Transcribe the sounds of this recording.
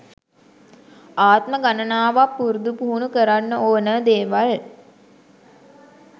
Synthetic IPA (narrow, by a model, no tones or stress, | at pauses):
aːt̪məɡanənaːʋapːuɾud̪upuɦunukəɾanːəoːnəd̪eːʋal